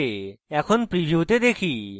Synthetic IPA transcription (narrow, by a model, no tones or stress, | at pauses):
eɛkʰonpɾibʱjuut̪ed̪ekʰi